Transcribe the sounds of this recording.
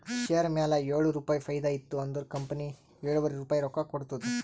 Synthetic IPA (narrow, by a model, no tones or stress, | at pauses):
ʃejɐɾmaːlɐeːɭuɾuːpaːjipʰɐjd̪ajit̪ːuɐnd̪ɐɾkɐmpɐni | eːɭuʋɐɾeɾuːpaːjiɾɔkakoɽt̪ud̪u